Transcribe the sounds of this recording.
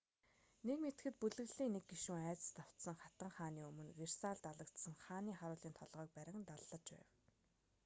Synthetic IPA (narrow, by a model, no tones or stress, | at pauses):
nekmet̪̆xɘ̆t̪̚puɮɘ̆ɣɮiːŋnek̚ɡiʃuːŋæːt͡sə̥̆st̪ʰaw̥t̪sə̆ŋχat̪ə̆ŋχaːniːɵmɵ̆nwer̥saːɮt̪aɮə̆kt̪sə̆ŋχaːniːχaɾʊːɮiːnt̪ʰɔɮʁœːk̚pæɾʲɪ̆ŋnt̪aɮːə̆t͡ɕpæ̰ːw